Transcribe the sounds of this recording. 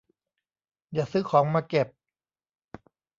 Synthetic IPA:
jaː˨˩sɯː˦˥˩kʰɔː˩˦ŋmaː˧ke˨˩p̚

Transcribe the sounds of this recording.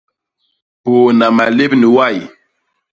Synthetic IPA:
po˨na˨ma˨le˦bni˨wa˦˨j

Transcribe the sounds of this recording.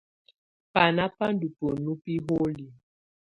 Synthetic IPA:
pa˨na˦pa˦ndu˨po˨nu˦pi˦ɦo˦li˨

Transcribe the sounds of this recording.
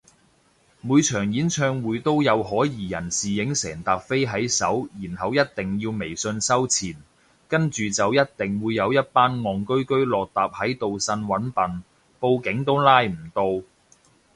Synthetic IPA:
muː˨˧jt͡ʃʰœː˨˩ŋjiː˨˥nt͡ʃʰœː˧ŋwuː˨˧jt̪o˥wjɐ˨˧wɦɔː˨˥jiː˨jɐ̰˨˩nsiː˨jɪ˨˥ŋsɛː˨˩ŋt̪aː˨p̚fe˥jɦɐ˨˥jsɐ˨˥wjiː˨˩nɦɐ˨wjɐ˥t̚t̪ɪ˨ŋjiː˧wme˨˩jsɵ˧nsɐ˥wt͡sʰiː˨˩n | kɐ˥nt͡ʃyː˨t͡sɐ˨wjɐ˥t̚t̪ɪ˨ŋwuː˨˧jːɐ˨˧wjɐ˥t̚paː˥nŋɔː˨ŋkɵ˥ɥkɵ˥ɥlɔː˨k̚t̪aː˨p̚hɐ˨˥jt̪o˨wsɐ˧nwɐ˨˥npɐ˨n | po˧wkɪ˨˥ŋt̪o˥wlaː˥jm̩˨˩t̪o˧w

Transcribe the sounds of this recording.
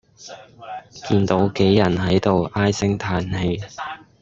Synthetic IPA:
kiː˧nt̪o˨˥wke˨˥jjɐ˨˩nɦɐ˨˥jt̪o˨wʔaː˥jsɪ˥ŋt̪ʰaː˧nhe˨˧

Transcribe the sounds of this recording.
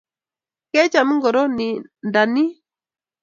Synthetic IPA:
kɛ˦t͡ʃa˨mi˦ŋɡɔ˨ɾɔ˦ni˨nda˨ni˦

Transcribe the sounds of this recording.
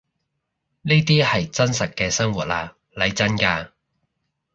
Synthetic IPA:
ne˥t̪iː˥hɐ˨jt͡sɐ˥nsɐ˨t̚kɛː˧sɐ˥ŋwuː˨˩t̚laː˧ | lɐ˨˧jt͡sɐ˥nkaː˧

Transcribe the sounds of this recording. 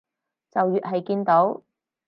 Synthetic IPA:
t͡sɐ˨wjyː˨t̚ɦɐ˨jkiː˧nt̪o˨˥w

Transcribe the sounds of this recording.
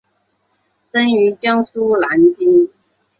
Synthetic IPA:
ʂə˥ny˧˥t͡ɕjɑ˥ŋsu˥la˧˥nt͡ɕi˥n

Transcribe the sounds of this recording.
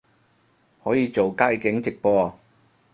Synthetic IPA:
hɔː˨˥jiː˨˧t͡so˨wkaː˧˥jkɪ˨˥ŋt͡sɪ˨k̚pɔː˧

